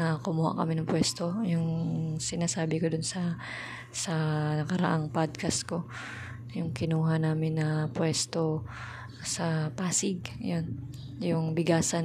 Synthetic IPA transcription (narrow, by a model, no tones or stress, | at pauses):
nɐkʊmuha̰ʔkɐmɪnɐŋpwɛst̪o̞jʊŋsɪnaːsaːbɪkod̪ʊnsɐ | sɐnɐkɐɾɐ̰ʔaŋpad̪̚kɐsko̞ | jʊŋkɪnuːɦɐnaːmɪnːɐpwɛst̪o̞ | sɐpaːsɪɡ̰̚jon | jʊŋbɪɡaːsɐ